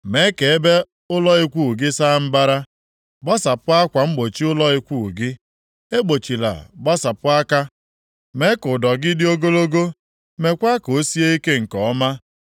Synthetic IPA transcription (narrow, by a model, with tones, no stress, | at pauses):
me˨˦ke˨e˦be˦ | ʊ˦lɔ˦i˦kʷu˦˨ɡɪ˦sa˦m̩˦ba˦ɾa˦ | ɡ͡ba˦sa˨pʊ˦a˦kʷa˨ŋ͡m̩˦ɡ͡bo˨t͡ʃi˦ʊ˦lɔ˦i˦kʷu˦˨ɡɪ˦ | e˦ɡ͡bo˨t͡ʃi˨la̰˨ɡ͡ba˦sa˨pʊ˦a˦ka˦ | me˦kʊ˨dɔ˨ɡɪ˦dɪ˦o˦ɡo˦lo˦ɡo˦ | me˨kʷa˦ko˨˦si˦e˦i˦ke˦ŋ̩˨kɔ˨ɔ˦ma˦